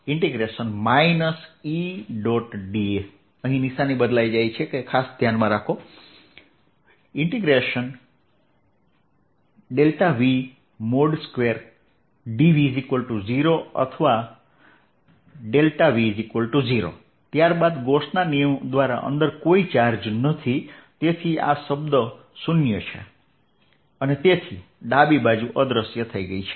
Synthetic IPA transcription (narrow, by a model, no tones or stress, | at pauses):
ɪɳʈiɡɾeʃənmainəsiɖɔʈɖief | əɦĩnisanibəd̪lajd͡ʒajt͡ʃʰekekʰasd̪ʱjanmãɾakʰo | ɪɳʈiɡɾeʃən | ɖelʈaʋi | moɖskʋeɾ | ɖiʋizikʋəlʈud͡ʒiɾoʌ̰t̪ʰʌʋa | ɖelʈabizikolʈud͡ziɾo̰ | t̪jaɾbad̪ɡosnanijʌmd̪waɾa̰ʔʌ̰nd̪ʌɾkoit͡ʃaɾd͡ʒnʌt̪ʰit̪et̪ʰia̰sʌbd̪ʌ | sunjot͡ʃʰa̰ | ʌnit̪et̪ʰi | ɖabibad͡ʒuʔʌd̪ɾʌsjʌt̪ʰʌiɡʌjt͡ʃʰi̥